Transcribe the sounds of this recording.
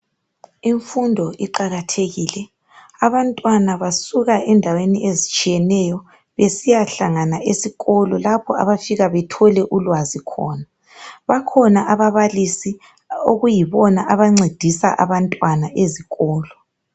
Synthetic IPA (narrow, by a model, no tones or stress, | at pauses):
iɱfundʱɔʔiǃaɣatʰeɣiːlɛ | aβantʼwanaβasuɣaʔɛndʱaweniʔezit͡ʃʼijɛnɛjɔ | βesijaɬaŋanaʔesiɣɔlɔlapʰɔa̰βafiɣaβɛtʰɔlɛʔulwazikʰɔ̰ːna | βakʰɔnaʔaβaβalisi | o̰ɣujiβɔnaʔaβaŋ͡ǀid̥ʱisa̰ʔa̰βantʼwanaʔeziɣɔːlɔ